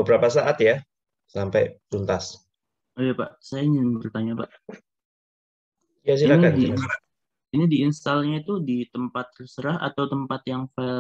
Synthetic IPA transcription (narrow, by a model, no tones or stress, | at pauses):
bəbəɾapasaʔat̪ja | sampajt̪unt̪as | ujapa̰ʔsajaiɲɪnbərt̪aɲapaʔ | jas̬iɾakaniaa | inidiinst̪alɲait̪udit̪əmpat̪̚ːrəsəɾaɦʔa̰t̪awt̪əmpat̪jaŋfa